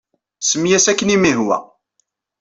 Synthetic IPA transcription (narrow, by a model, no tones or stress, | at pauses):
səmjæsækːənimiɦwæ̰